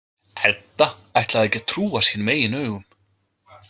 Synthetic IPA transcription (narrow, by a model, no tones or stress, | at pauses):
ɛt̪ːaajht̪laðɛjcːɪt̪ʰɾuːasinmeːjɪnœːɥɣʏm